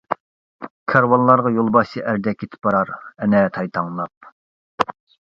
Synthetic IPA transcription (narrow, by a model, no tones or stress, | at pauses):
kʰɑɾwɑnlˠɑɾʁɑjolˠbɑʃiʔæɾd̪ɛkʲːet̪ʰɪ̥p̚bɑɾɑɾɛnɛt̪ʰɑjt̪ʰɑŋlˠɑp̚